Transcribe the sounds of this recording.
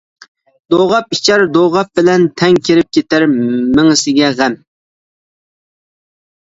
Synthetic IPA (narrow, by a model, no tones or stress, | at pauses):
d̪oʁɑpit͡ʃʰɑɾd̪oʁɑp̚bɪlɛnt̪ʰɛŋkʲʰeɾɪp̚kʲet̪æɾmɪŋɪsɪɡʲɛʁæm